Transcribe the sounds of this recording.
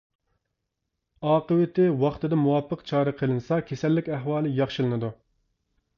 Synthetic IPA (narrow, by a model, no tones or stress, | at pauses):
ɑːqəwɪt̪ʰɪwɑχt̪ɨd̪ɑmuwɑpːəqt͡ʃʰɑːɾɨqʰəlˠɨnɨsɑkʲʰesɛlːɪkʲæɦwɑːlˠɨjɑχʃɨlˠɨnɨd̪u